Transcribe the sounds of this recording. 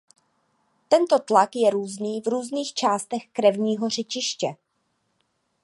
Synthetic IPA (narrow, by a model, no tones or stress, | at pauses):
t̪ɛnt̪o̞t̪lakjɛɾuːzniːvɾuːzniːxt͡ʃaːst̪ɛxkɾɛvɲiːɦo̞r̝ɛt͡ʃɪʃcɛ